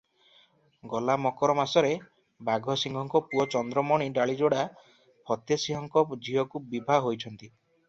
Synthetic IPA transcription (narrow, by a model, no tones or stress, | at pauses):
ɡɔlamɔkɔɾɔmasɔɾe | baɡʱɔsiŋɡʱɔŋkɔpuɔt͡ʃɔnd̪ɾɔmɔɽ̃iɖaɭid͡ʒoɽa | pʰɔt̪jesiɦɔŋkɔd͡ʒiɦɔkubibʱaɦojt͡ʃʰɔnt̪i